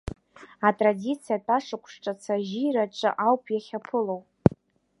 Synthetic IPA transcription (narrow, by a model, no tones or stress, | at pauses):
atʼradit͡sʰijatʼaʂɨkʷʰʼʂʈ͡ʂʼat͡sʰaʒiɾaʈ͡ʂʼɨ̰ʔawpʰjaχʲapʰɨlowpʼ